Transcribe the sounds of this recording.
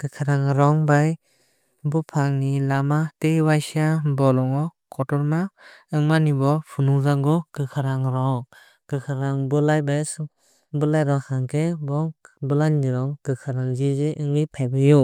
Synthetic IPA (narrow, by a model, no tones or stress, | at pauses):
kɯkʰaɾaŋɾɔŋbaj | bɔpʰaŋnilamatejwajsiabɔlɔŋɔkʰɔtɔɾmaɯŋmanibɔpʰunuŋzaŋɡɔkɯkʰaɾaŋɾɔŋ | kɯkʰaɾaŋbɯlajbas | bɯlajɾɔkaŋkʰebɔŋbɯlanniɾɔŋkɯkʰaɾaŋzizeʔɯŋɯjpʰajbɯju